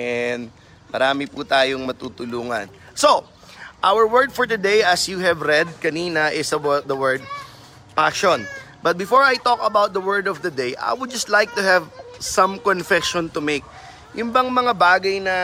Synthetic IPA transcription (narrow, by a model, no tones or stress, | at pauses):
ɛnd̪ | mɐɾaːmɪput̪aːjoŋmɐt̪uːt̪ʊluːŋɐ̰nso | ʔawəɹwɛɹd̪fɔɹt̪ʊd̪ejʔɐsjuɦɛvɾɛd̪̚kɐniːnɐʔɪsɐw̪̚d̪ɐwɛɹd̪̚ | paʃon | bɐt̪̚bɪfɔɹajt̪ɔkɐbawt̪̚d̪ɐwɜɹd̪ɔvd̪ɐd̪ejʔa̰jwʊd̪̚d͡ʒɐst̪lajk̚t̪ʊɦɛvsɐ̃mkɔnfɛʃɔ̃nt̪ʊmek̚ | jʊmbɐŋmɐŋabaːɡɐjnɐ